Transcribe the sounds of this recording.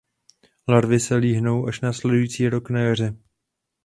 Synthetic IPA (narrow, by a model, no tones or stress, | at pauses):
laɾvɪsɛliːɦno̞wʔaʃnaːslɛdujiːt͡siːɾo̞knajar̝ɛ